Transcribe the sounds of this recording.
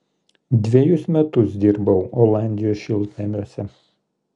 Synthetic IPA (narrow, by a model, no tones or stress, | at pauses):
d̪ʲʋʲiɛjʊsmʲɛt̪ʊsd̪ʲiɾbɐʊɔlˠɑˑnʲd̪ʲɪjoːsʃʲɪlˠt̪ʲɛmʲuɔsʲɛ